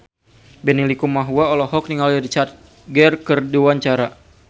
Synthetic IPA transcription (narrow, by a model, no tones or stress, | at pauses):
bɛnilikumaɦuaɔlɔɦɔk̚niŋaldaɾit͡ʃat̪̚ | ɡɛrkərduwaɲt͡ʃaɾa